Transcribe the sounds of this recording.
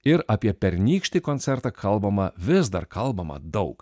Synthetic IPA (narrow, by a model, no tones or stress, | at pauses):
ɪɾɐpʲiɛpʲɛɾʲnʲiːkʃʲt̪ʲiːkoːnʲt̪sʲɛɾt̪ɑkʰɐlˠbɐmɐʋʲɪzd̪ɐrkɐlˠbɐmɐ̰d̪ɐʊk